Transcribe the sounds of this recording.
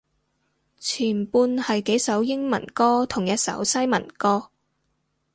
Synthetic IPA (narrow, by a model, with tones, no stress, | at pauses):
t͡sʰiː˨˩npuː˧nhɐ˨jke˨˥jsɐ˨˥wjɪ˥ŋmɐ̰˨˩nkɔː˥t̪ʰʊ˨˩ŋjɐ˥t̚sɐ̰˨˥wsɐ˥jmɐ˨˩nkɔː˥